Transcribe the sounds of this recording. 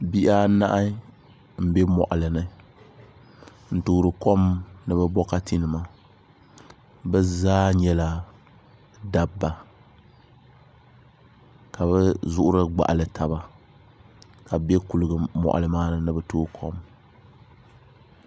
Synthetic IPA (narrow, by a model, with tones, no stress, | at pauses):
bi˦ʔa˦na̰˦ʔa˦ | m̩˦bɛ˦mɔ̰˨ʔa˨lɨ˨nɨ˦ | n̩˨tuː˨ɾɨ˨kɔ˦mnɨ˦bɛ˦bɔ˦ka˦tʰi˦nɨ˨ma˦ | bɛ˦zaː˦ɲɛ˦la˨ | da˨bːa˨ | ka˨βɛ˦zʊ˦ʔʊ˦ɾɨ˦ɡ͡ba̰˨ʔa˨lɨ˨tʰa˨ba˦ | ka˨bɛ˦ku˨lɨ˨ɡɨ˨mɔ̰˨ʔa̰˨lɨ˨maː˦nɨ˨nɨ˦bɛ˦tuː˦ɾkʰɔ˦m